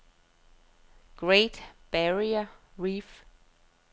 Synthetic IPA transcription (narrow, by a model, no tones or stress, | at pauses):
ɡ̥ɹeɪdb̥æɹiəɹif